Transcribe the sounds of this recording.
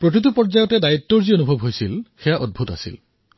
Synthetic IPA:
pɹotit̪̬upɔɹd͡ʒajɔtɛdaitːɔɹzionubʱɔbɦojsilxejaʔɔd̚bʱuta̰sḭl

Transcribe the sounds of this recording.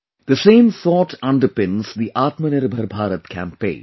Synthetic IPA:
d̪̥əsẽːmθɔːʈʰʌ̃nɖəpɪ̃nz̥d̪iʔaːt̪məneɾbʱəɾbʱaːɾət̪kʰæ̰̃mpḛ̃ɪ̃ːn

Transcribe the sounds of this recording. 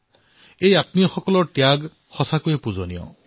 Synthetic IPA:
ejat̪̚niɔxɔkɔlɔʈjaɡ | xɔsakuepuzɔnḭɔ̰

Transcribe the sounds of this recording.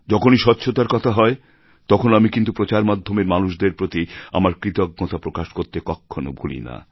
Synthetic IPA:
d͡ʑɔkʰoniʃɔtːɕʰot̪aɾkɔt̪ʰaɦɔe | t̪ɔkʰonamikint̪upɾot͡ɕaɾmad̪ʱːomeɾmanuʃd̪eɾpɾot̪ia̰maɾkɾit̪oɡ̚ɡɔt̪apɾokaʃkoɾt̪ekɔkʰːono̰bʱulḭna̰

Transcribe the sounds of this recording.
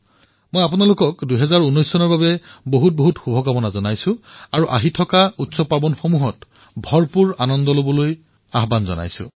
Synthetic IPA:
mojapunalʊkɔkduɦɛzaɹunːɔjsːɔnɔɹbabɛboɦut̚boɦutxubʱɔkamɔnazɔnajsʊ̃aɹuʔa̰ɦitʰɔkautsɔpabɔnxomuɦɔt | bʱɔɹpuɹanɔndɔlobɔloj | aɦbanzɔ̰na̰jsʊ̰̃

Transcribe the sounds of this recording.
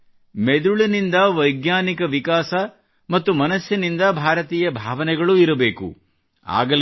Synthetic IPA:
med̪uɭinind̪ɐʋɐjɡnaːnikɐʋikaːsɐ | mɐt̪ːumɐnɐsjɐnind̪ɐbʱaːɾɐt̪iːjɐbʱaːʋɐnɛɡɐɭuiɾɐbe̞ːkṵ | a̰ːɡɐl

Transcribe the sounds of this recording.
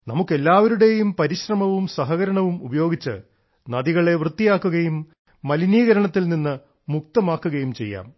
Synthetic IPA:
nɐmukːe̞lːaːʋɐɾuɽe̞jumpɐɾiɕrɐmɐʋumsɐɦɐɣɐɾɐɳɐʋumubɐjo̞ːɡit͡ɕːɨ̰ | nɐðiɣɐɭe̞ʋrɨt̪ːijaːkːuɣɐjumː | ɐliniːɣɐɾɐɳɐt̪ːilninːɨ | muk̚t̪ɐmaːkːuɣɐjumt͡ɕe̞jːa̰ːm

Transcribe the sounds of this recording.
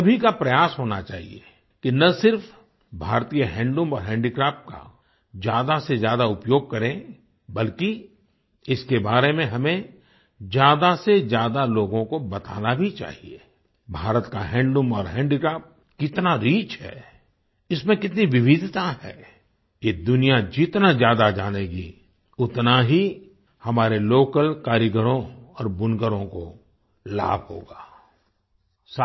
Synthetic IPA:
ɐbʱikapɾɐjaːsɦoːnat͡ʃa̰ːɦḭḛ | kinɐsɪɾf | bʱaːɾt̪iːjəɦɛ̃ːɳɖõmɔːɾɦɛ̃ːɳɖikɾaːpʈ̚ka̰ | d͡ʒjaːd̪asezjaːd̪aʊpjoːɡ̚kɐɾẽ | bɐlki | ɪskebaːɾemẽɦɐmẽ | d͡ʒjaːd̪asezjaːd̪aloːɡõkobɐt̪a̰ːnabʱit͡ʃa̰ːɦiḛ | bʱaːɾət̪kaɦɛ̃ːɳɖɖʊ̃mɔːɾɦɛ̃ːɳɖikɾaːp̚ | kɪt̪naɾiːt͡ʃɦɛ̰ː | ɪsmẽkɪt̪niʋɪbɪd̪ʱt̪aɦɛ̰ː | jed̪ʊnijad͡ʒɪt̪nazjaːd̪ad͡ʒaːneːɡi | ʊt̪naɦi | hɐmaːɾeloːkəlkaːɾjəɡəɾõɔːɾbʊnɡəɾõko | la̰ːbʱho̰ːɡaː | s

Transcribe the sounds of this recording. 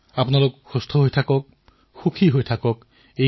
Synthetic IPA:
apnalʊkxust̪ʰɔɦojtʰakɔk̚ | xukʰiɦojtʰakɔk | e

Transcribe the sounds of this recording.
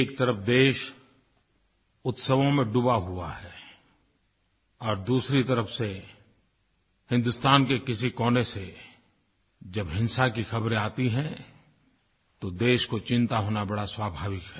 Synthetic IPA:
eːk̚t̪ɐɾəfd̪eːʃ | ʊt̪səʋõmẽɖʊbaɦua̰ɦɛː | ɔːɾd̪uːsɾit̪ɐɾəfse | hɪ̃nd̪ʊst̪aːnkekɪsikɔːnese | d͡ʒɐbɦɪ̃nsakixɐbɾeaːt̪iɦɛ̃ | t̪od̪eːʃkot͡ʃɪ̃nt̪aɦoːnabɐɽaswaːbʱaːʋɪkɦɛː

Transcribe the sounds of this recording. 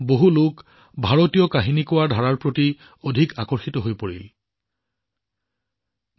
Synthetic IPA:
boɦuluk | bʱaɹotijɔkaɦinikʊwaɹdʱaɹaɹpɹoti | odʱikakɔɹxitɔɦojpoɹḭl

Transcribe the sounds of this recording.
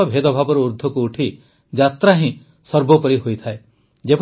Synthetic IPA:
ɔbʱed̪ɔbʱabɔɾɔuɾd̪ʱɔkuːʈʰi | d͡ʒat̪ɾaɦĩ | sɔɾbɔpɔɾiɦojt̪ʰae | d͡ʒep

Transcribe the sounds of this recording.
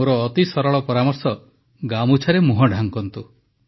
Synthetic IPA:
oɾɔːt̪isɔɾɔɭɔpɔɾamɔɾsɔ | ɡamut͡ʃʰaɾemuɦɔɖʱaŋkɔnt̪u

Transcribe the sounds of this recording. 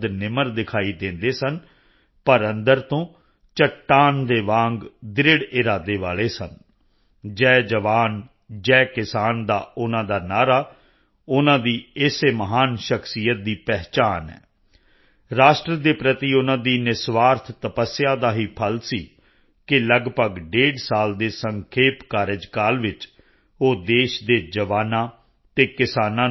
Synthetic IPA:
d̪nɪməɾd̪ɪkʰaːiːd̪ẽːnd̪eːsən | pəɾənd̪əɾt̪õː | t͡ʃəʈːaːnd̪eːʋãːŋɡd̪ɪɾɪɽɪɾaːd̪eːʋaːleːsən | d͡ʒɛːd͡ʒəʋaːn | d͡ʒɛːkɪsaːnd̪a̰ːʊnãːd̪aːnaːɾaː | ʊnãːd̪iːɪseməɦaːnʃəkʰsijət̪̚d̪iːpɛːɦt͡ʃaːnɛ̰ː | ɾaːʃʈɾəd̪eːpɾət̪iːʊnãːd̪iːnɪsʋaːɾt̪ʰt̪əpəsːɪjãːd̪aːɦiːpʰəlsiː | kɪləɡpəɡɖeːɖsaːld̪eːsəŋkʰeːpkaːɾeːd͡ʒkaːlʋɪt͡ʃ | oːd̪eːʃd̪eːd͡ʒəʋaːnãː | t̪eːkɪsaːnãː

